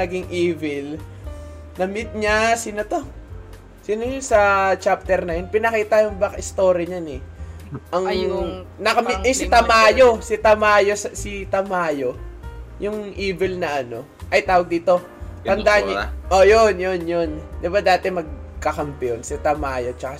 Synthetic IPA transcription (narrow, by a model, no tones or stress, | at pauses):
nɐɡɪŋʔiːvɛl | nɐmɪt̪̚ɲasinot̪o̞ | sinojonsɐt͡ʃap̚t̪ɛɾnɐjonpɪnɐkiːt̪ɐjʊŋbɐkɐʔɪst̪o̞ːɾjɐɲanɛ | ʔɐŋ | nɐkɐmʔɐsɪt̪ɐmaːjosɪt̪ɐmaːjo̞sɐsit̪ɐmaːjo̞jʊŋʔiːvɛlnɐʔɐno̞ | ʔɐjt̪aːwɐɡ̚d̪iːt̪o̞ | t̪ɐnd̪aʔɲʔojonjonjond̪ɪbad̪aːt̪ɛmɐɡ̚kɐkɐmpɛʔonsɐt̪ɐmaːjo̞t͡ʃɐka